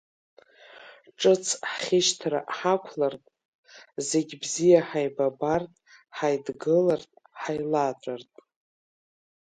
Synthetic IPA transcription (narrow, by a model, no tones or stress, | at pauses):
ʈ͡ʂʼɨt͡sʰħχʲɪʃtʰɾa̰ħakʷʰlartʼ | zeɡʲbzijaħajbabartʼħajdɡɨlartʼ | ħajlatʼartʼ